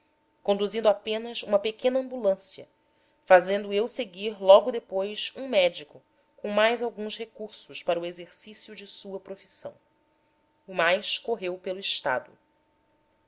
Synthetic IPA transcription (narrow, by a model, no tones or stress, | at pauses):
kõnd̪uzĩnd̪apẽnɐsṵ̃mɐpekẽnɐɐ̃mbulɐ̃siɐ̰ | fazẽnd̪ʊewseɡiɾlɔɡʊd̪epojsũmɛd͡ʒikʊ | kõw̃majzawɡũshekuɾsʊʃpaɾɐuezeɾsisjʊd͡ʒɪsuɐpɾofi̥sɐ̰̃w̃ | ʊmajʃkoɦewpelʊiʃt̪a̰d̪ʊ̰